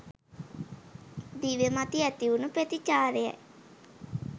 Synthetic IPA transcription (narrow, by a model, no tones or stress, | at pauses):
d̪iʋemat̪iɛt̪iʋunupɾet̪it͡ʃaːɾeɛ̰